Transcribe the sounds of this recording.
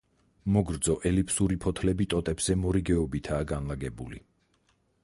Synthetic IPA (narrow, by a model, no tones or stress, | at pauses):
mɔɡɾd̪zɔʔɛlipʰsuɾipʰɔt̪ʰlɛbit̪ʼɔt̪ʼɛbz̥ɛmɔɾiɡɛɔbit̪ʰaːɡanlaɡɛbuli